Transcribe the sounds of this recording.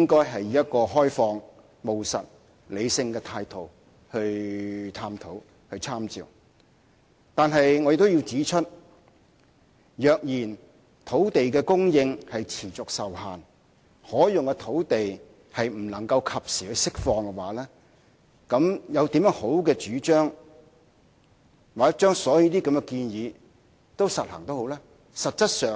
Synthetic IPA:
jɪ˥ŋkɔː˥jɦɐ˨jjɐ˥t̚kɔː˧ɦɔː˥jfɔː˧ŋ | mo˨wsɐ˨t̚ | le˨˧jsɪ˧ŋkɛː˧t̪ʰaː˧jt̪ʰo˨˩w | hɵ˧ɥt̪ʰaː˧mt̪ʰo˨˥w | hɵ˧ɥt͡sʰaː˥mt͡sḭː˨˩w | t̪aː˨nɦɐ˨jŋɔ˨˧jkt̪wji˧wt͡siː˨˥t͡ʃʰɵ˥t̚ | jœː˨k̚jiː˨˩n | t̪ʰo˨˥wt̪e˨jkɛː˧kʊ˥ŋjɪ˧ŋhɐ˨jt͡sʰiː˨˩t͡sʊ˨k̚sɐ˨whaː˨n | hɔː˨˥jʊ˨ŋkɛ˧t̪ʰo˨˥wt̪e˨j | hɐ˨jm̩˨˩lɐ˨˩ŋkɐ˧wkʰɐ˨p̚siː˨˩hɵ˨˧jsɪ˥k̚fɔː˧ŋkɛ˧wa̰ː˨˥lɛː˥ | kɐ˨˧˥mjɐ˨˧wt̪i˨˥mjœː˧˥ŋho˨˥wkɛː˧t͡ʃyː˨˥t͡ʃœː˥ŋ | waː˨˩˥t͡ʃœː˥ŋsɔː˨˥ji˧˥t̪iː˥kɐ˨˧mjɛ˧kiː˧njiː˨˧ | t̪o˥wsɐ˨t̚hɐ̰ː˨˩ŋt̪o˥who˨˥wlaː˥ | sɐ˨t̚t͡sɐ˥t̚sœː˨

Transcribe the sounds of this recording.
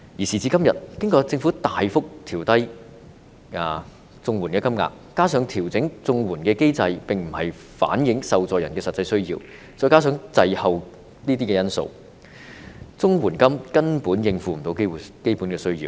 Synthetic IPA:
ji˨˩siː˨˩t͡siː˧kɐ˥mjɐ˨t̚kɪ˥ŋkɔː˧t͡sɪ˧ŋfuː˨˥t̪aː˨jfʊ˥k̚t̪ʰiː˨˩wt̪ɐ˥j | aː˨˧ | t͡sʊ˧ŋwuː˨˩nkɛː˧kɐ˥mŋa̰ː˧k̚ːaː˥sœː˨˥ŋt̪ʰiː˨˩wt͡sɪ˨˥ŋt͡sʊ˧ŋwuː˨˩nkɛː˧ke˥jt͡sɐ˧jpɪ˨ŋm̩˨˩hɐ˨˩j | fa̰ː˨˥njɪ˨˥ŋsɐ˨wt͡sɔː˨jɐ˨˩nkɛ˧sɐ˨tt͡sɐ˧jsɵ˥ɥjḭː˧w | t͡sɔː˧˥jkaː˥s̬œː˨˥ŋt͡sɐ˧jhɐ˨˧w | niː˥t̪iː˥kɛ˧jɐ˥nso̰˨˧w | t͡sʊ˥ŋwuː˨˩nkɐ˥mkɐ˥npuː˨˥njɪ˧ŋfuː˨m̩˨˩t̪o˧wke˥˨ke˥jpuː˨˥nkɛː˧sɵ˥ɥjḭː˨˧w

